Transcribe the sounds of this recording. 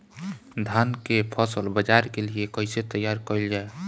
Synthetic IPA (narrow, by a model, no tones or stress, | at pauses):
d̪ʱankepʰəsəlbəd͡ʒaɾkeliekəɪset̪əjaɾkəɪld͡ʒae